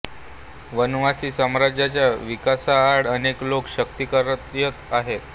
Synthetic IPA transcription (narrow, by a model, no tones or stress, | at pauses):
ʋənʋasiːsəmɾad͡ʑjat͡ɕjaʋikasaːɽəneklokɕəkt̪ikəɾət̪jət̪aɦet̪